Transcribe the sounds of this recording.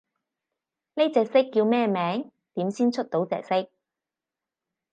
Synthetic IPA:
ne˥t͡sɛː˨k̚sɪ˥kːiː˧wmɛː˥mɛː˨˥ŋ | t̪iː˨˥msiː˥nt͡sʰɵ˥t̚t̪o˨˥wt͡sɛ̰ː˨˧k̚sɪ˥k̚

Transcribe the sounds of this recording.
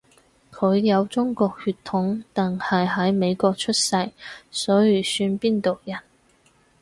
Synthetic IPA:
kʰɵ˨˧ɥjɐ˨˧wt͡sʊ˥ŋkɔː˧k̚hyː˧t̪ʰːʊ˨˥ŋt̪ɛ˨˩ŋhɐ˨jɦɐ˨˥jme˨˧jkɔː˧k̚t͡ʃʰɵ˥t̚sɐ˧jsɔː˨˥jyː˨˩syː˧npiː˥nt̪o˨wjɐ˨˩n

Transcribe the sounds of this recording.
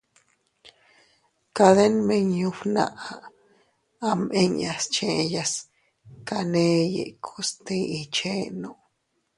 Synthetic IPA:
ka˧d̪e˦nme˧ɲju˧wna̰˧ʔa˨ | a˧mʔe˦ɲa˧st͡ʃe˧ja˧s | ka˧ne˧jḛ˨kʰo˧st̪i˧i˧t͡ʃe˦no˧˨

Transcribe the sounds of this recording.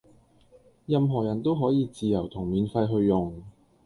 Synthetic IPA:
jɐ˧mɦɔː˨˩jɐ˨˩nt̪o˥wɦɔː˨˥jiː˨˧t͡siː˨˧jɐ˨˩wt̪ʰʊ˨˩ŋmiː˨˧nfɐ˧jɦɵ˧ɥːʊ˨˩ŋ

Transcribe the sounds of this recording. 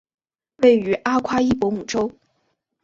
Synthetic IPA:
we˥˩ɪy˧˥ʔa˥kʰwa˥i˥˩pwɔ˧˥mu˨˩ʈ͡ʂo˥ʊ

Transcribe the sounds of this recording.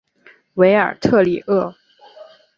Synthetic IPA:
we˧˥ɪə̰˞˨˩t̪ʰɤ˥˩li˨˩ʔɤ˥˩

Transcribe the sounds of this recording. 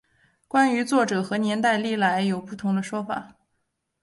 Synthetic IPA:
kwa˥ny˧˥t͡swɔ˥˩ʈ͡ʂɤ˨˩xɤ˧˥njɛ˧˥nt̪a˥˧ɪli˥˩la˧˥ɪjo˨˩ʊpu˥˩t̪ʰʊ˧˥ŋd̪ə˧ʂwɔ˥fa̰˨˩˦

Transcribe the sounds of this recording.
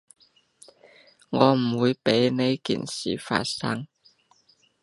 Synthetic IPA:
ŋɔː˨˧m̩˨˩wuː˨˧jpe˨˥jne˨˧jkḭː˨˩nsḭː˨˩fa̰ː˧t̚sɐ˥ŋ

